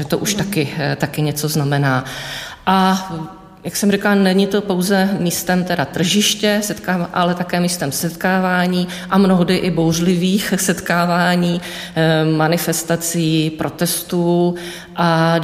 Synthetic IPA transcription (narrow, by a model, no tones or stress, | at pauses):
ɛt̪oʔuʃt̪akɪt̪akɪɲɛt͡so̞znamɛnaːʔa | jaksɛmrikalnɛɲɪt̪o̞po̞wzɛmiːst̪ɛmt̪ɛdat̪r̩ʒɪʃcɛsɛt̪kaːʔalɛt̪akɛːmiːst̪ɛmsɛt̪kaːvaːɲiː | ʔamnoɦdɪʔɪbowr̝lɪviːxsɛt̪kaːvaːɲiː | manɪfɛst̪at͡siːpɾʔo̞t̪ɛst̪uː | ʔa